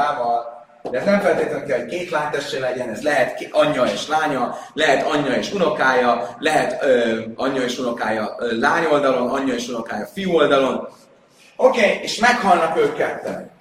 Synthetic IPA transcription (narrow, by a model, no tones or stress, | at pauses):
aːvɒl | d̪ɛːznɛɱfɛlt̪eːt̪lɛnkɛlɦo̞ckeːt̪laːɲt̪ɛʃelɛɟɛnɛzlɛɦɛt̪ɒɲːɒeːʃlaːɲɒlɛɦɛt̪ɒɲːɒeːʃuno̞kaːjɒlɛɦɛt̪øːɒɲːɒeːʃuno̞kaːjɒːlaːɲo̞ld̪ɒlo̞nɒɲːɒeːʃuno̞kaːjɒfijuo̞ld̪ɒlo̞n | okeːeːʃmɛkhɒlnɒkøːkːɛt̪ːɛ̰n